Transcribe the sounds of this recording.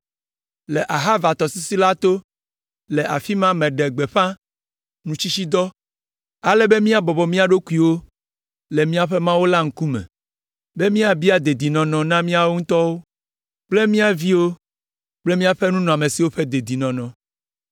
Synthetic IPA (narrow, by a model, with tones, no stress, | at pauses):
le˨ʔa˨ɦa˦va˨t̪ɔ˨si˦si˦la˦t̪o˦ | le˨ʔa̰˨fi˦mã˦mẽ˨ɖe˨ɡ͡be˨ɸã˦ | nũ˨t͡ɕi˦t͡ɕi˦d̪ɔ˦ | a˨lɛ˦be˦mĩ˦a˦bɔ˨bɔ˨mĩ˦a˨ɖo˦ku˦i˨wo˦ | le˨mĩ˦a˦ɸe˦mã˦wo˦la˦ŋ̩˦ku˦mɛ̰̃˨ | be˦mĩ˦a˨bi˦a˨d̪e˨d̪i˨nɔ̃˨nɔ̃˨nã˦mĩ˦a˦wo˦ŋũ˦t̪ɔ˦wo˦ | k͡ple˦mĩ˦a˨vi˦wo˦ | k͡ple˦mĩ˦a˦ɸe˦nũ˦nɔ̃˨a˨mẽ˨si˨wo˦ɸe˦d̪e˨d̪i˨nɔ̃˨nɔ̃˨